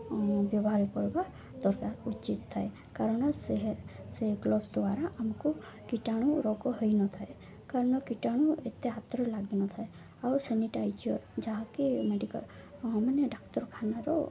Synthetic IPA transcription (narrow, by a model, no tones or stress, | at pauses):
bjɔbɦaɾikɔɾba | d̪ɔɾkaɾut͡ʃit̪ʰːae | kaɾɔɳ̃ɔseɦseɡlɔbsd̪ʋaɾaʔamku | kiʈaɽ̃uɾɔkɔɦəjnɔt̪ʰae | kaɾɔɳ̃ɔkiʈaɽ̃uet̪eat̪ɾɔlaɡinɔt̪ʰae | auseniʈajd͡ʒiɔɾd͡ʒaɦakemeɖikə̰l | ɦməneɖaktɔɾkʰanaɾɔ̰